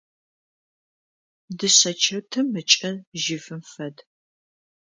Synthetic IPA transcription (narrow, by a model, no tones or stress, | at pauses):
dɨɕɐt͡ʃʰɪrtʰɨmːɨt͡ʃʼɐrʒɪfɨmfɐd